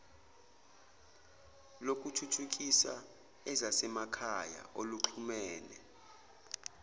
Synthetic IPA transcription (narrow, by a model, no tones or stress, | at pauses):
lok̬ʼutʰutʰuk̬ʼisa | ɛzasɛmakʰaja̰ʔoluǁʰumɛːlɛ